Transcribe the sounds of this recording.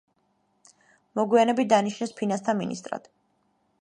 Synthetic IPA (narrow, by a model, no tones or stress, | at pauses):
mɔɡwianɛbid̪aniʃʰnɛspʰinanst̪ʰamḭnḭst̪ʼɾa̰d̪̥